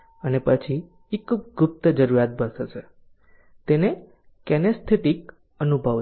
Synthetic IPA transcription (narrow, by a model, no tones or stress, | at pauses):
ənepət͡ʃʰi | ekb̚ɡʊp̚t̪əd͡ʒəɾuɾat̪̚bənʃet͡ʃʰe | t̪ene | kɛnəst̪ʰet̪ik | ənubʱəʋ